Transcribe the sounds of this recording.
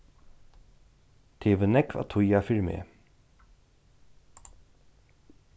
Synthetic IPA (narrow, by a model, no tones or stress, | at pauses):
t̪ʰeːvənɛkva̰t̪ʰʊjafɪɹmḛː